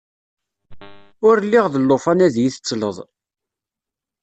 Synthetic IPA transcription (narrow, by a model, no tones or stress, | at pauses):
ʊɾlːiɪʁðəlːofɑnæðjiθə̥t͡sːləðˤ